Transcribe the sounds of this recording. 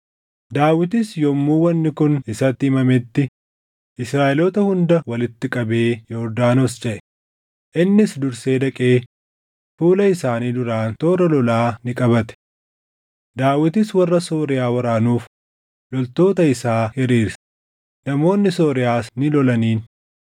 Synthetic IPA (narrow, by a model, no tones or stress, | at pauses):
d̪aːwɪt̪ɪsjɔmːuːwɐnːɪkʊnɪsɐt̪ːɪɪmɐmɛt̪ːɪ | ʔɪsɾaːʔɛlɔt̪ɐhʊnd̪ɐwɐlɪt̪ːɪkʼɐbe̞ːjoʊɾd̪aːnɔst͡ʃɛʔɛ̥ | ʔɪnːɪsd̪ʊɾseːd̪ɐkʼe̞ː | fuːlɐɪsaːniːd̪ʊɾaːnt̪oːɾɐlɔlaːnɪkʼɐbɐt̪ɛ̥ | d̪aːwɪt̪ɪswɐrːɐso̞ːɾɪjaːwɐɾaːnuːf | lɔlt̪o̞ːt̪ɐɪsaːhɪɾiːɾs | nɐmo̞ːnːɪso̞ːɾɪjaːsnɪlɔlɐniːn